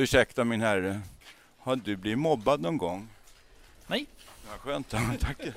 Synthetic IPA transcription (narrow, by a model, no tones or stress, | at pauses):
ʉʂɛkt̪amɪnhæɾːə | had̪ɵbliːvmɔbːad̪nɔnɡɔŋː | nɛaɧøːnt̪at̪ʰakː